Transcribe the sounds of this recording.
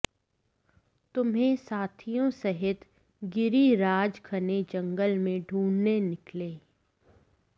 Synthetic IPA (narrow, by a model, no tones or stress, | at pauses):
t̪ʊmɦẽsaːt̪ʰijõsəɦɪt̪ | ɡɪɾiɾaːd͡ʒkʰɐned͡ʒɐ̃ŋɡəlmẽɖʱuːnnenɪkleː